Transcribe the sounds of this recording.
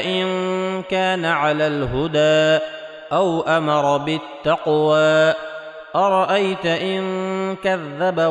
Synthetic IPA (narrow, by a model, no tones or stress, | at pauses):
ʔɪnkaːnaʕalaːlɦʊd̪aː | ʔawʔamɑɾˤɑbɪt̪ːɑqwaː | ʔɑɾˤɑʔajt̪aʔɪnkaðːaba